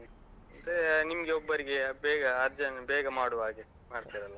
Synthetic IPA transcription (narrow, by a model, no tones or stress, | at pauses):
ɐnd̪enimɐɡeobːɐɾiɡe̞bɛːɡɐːɾd͡ʒɐnbɛːɡɐmaːɽuʋaːɡe | maːɽt̪iːɾɐlːɐ